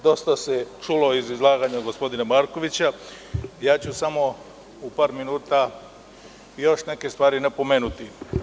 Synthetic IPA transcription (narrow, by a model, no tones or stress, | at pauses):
d̪o̞st̪aset͡ʃulo̞izizlˠaːɡaɲaɡo̞spo̞d̪inamaːɾko̞ʋit͡ɕa | jaːt͡ɕusamo̞ | upaːɾminuːt̪a | jo̞ʃneke̞st̪ʋaːɾinapo̞me̞ːnut̪i